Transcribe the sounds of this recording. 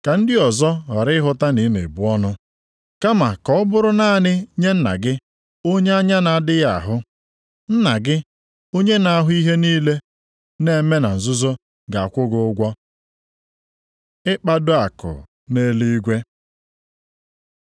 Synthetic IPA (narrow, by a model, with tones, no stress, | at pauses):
ka˨n̩˦dɪ˦ɔ˨zɔ˦ɦɔ˨ɾɪ˦ɪ˦ɦʊ˦ta˦ni˨˦mḛ˨bu˨ɔ˦nʊ˦ | ka˦ma˨kɔ˨˦ɔ˦bʊ˦ɾʊ˦naː˦˨nɪ˦ɲe˦n̩˦na̰˨ɡɪ˦ | o˦ɲe˦a˦ɲa˦na˨a˦dɪ˦ja̰˦˨ɦʊ˦ | n̩˦na˨ɡɪ˦ | o˦ɲe˦na˨a˦ɦʊ˦i˦ɦe˦niː˦le˦ | ne˦˨˦me˦na˨n̩˨zʊ˦zo˦ | ɡa˨a˨kʷʊ˦ɡʊ˦ʊ˦ɡʷɔ˦ | ɪ˦k͡pa˦dʊ˦a˨kʊ̰˨ | ne˦li˦i˦ɡʷe˦